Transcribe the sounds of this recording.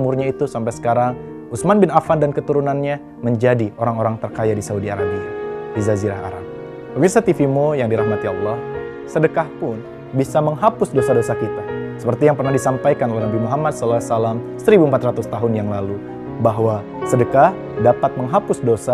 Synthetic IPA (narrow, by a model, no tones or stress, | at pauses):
mʊrɲait̪usampasə̥kaɾaŋ | usmanbɪnafandankət̪uɾunanɲa | məɲd͡ʒadioɾaŋoɾaŋt̪ərkajadisaudiaɾabiadizaziɾaɦa̰ɾab̚ | pəmirsat̪ifimojaŋdiɾahmat̪ia̰lːah | sədəkahpʊn | bisaməŋɦapʊsdosadosakit̪asə̥pərt̪ijaŋpərnahdisampajkanolenabinmuɦamat̪̚sɔlasalamsəɾibuəmpat̪ɾat̪ust̪aɦʊnjaŋlalu | baɦwa | sədəkah | dapat̪̚məŋɦapʊsdosa